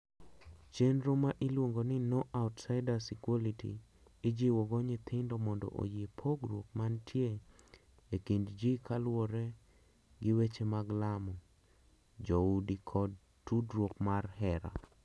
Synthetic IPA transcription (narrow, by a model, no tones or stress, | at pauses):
t͡ʃenɾomaʔɪlwoŋɡonɪnoʔaʊtsaɪdasikolitḭ | ɪd͡ʒiwɔɡɔɲɪt̪ʰɪndɔmɔndɔ̰ʔo̰jepʰoɡɾwokmantʰje | ekindd͡ʒikʰalwɔɾɛ | ɡɪwet͡ʃemaɡlamɔ | d͡ʒoudikʰɔd | tːudɾwokmarhɛɾa̰